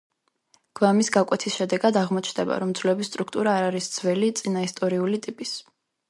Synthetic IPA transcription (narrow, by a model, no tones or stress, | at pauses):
ɡ̥vamisɡakʼwɛt̪ʰisʃɛd̪ɛɡad̪aʁmɔt͡ʃʰnd̪ɛba̰ɾɔmd̪zʰvlɛbisːt̪ʼɾukʰt̪ʼuɾaːɾaɾisd̪z̥vɛlit̪sʼinaist̪ʼɔɾiulit̪ʼipʼis